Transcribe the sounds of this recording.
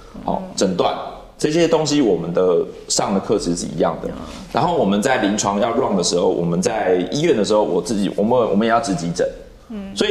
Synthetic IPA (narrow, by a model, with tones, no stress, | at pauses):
ha̰˨˩ʊʈ͡ʂə˨˩nt̪wa̰˥˨n | ʈ͡ʂɤ˥˩ɕjɛ˦t̪o˥˦ŋɕi˦wɔ˨˩mə˦nd̪ə˨ʂɑ˥˩ŋd̪ə˩kʰɤ˥˧ʂʰɻ̩˧˥ʂɻ̩˥˩ḭ˧˥jɑ̰˥˩ŋd̪ə̰˩ | ɻa̰˧˦nxo˥˩ʊwɔ˨˩mə˨˦nt͡sa˥˩ɪli˧˥ŋʈ͡ʂʰwɑ˦˥ŋjɑ˥˧ʊɻwɑ˥˩ŋd̪ə˩ʂɻ̩˧˥xo˥˩ʊwʔɔ̰˨˩mə˨˦nt͡sa˥˩ɪi˥ɥɛ˥˩nd̪ə˩ʂ̬ɻ̩˧˥xo˥˩ʊwɔ˨˩t͡sɹ̩˥˩t͡ɕḭ˨˩wɔ̰˨˩mə˦wɔ̰˨˩mə˦jɛ˨˩jɑ˥˩ʊʈ͡ʂɻ̩˧˥t͡ɕi˧˥ʈ͡ʂə̰˨˩˦n | sɔ˧˥i˨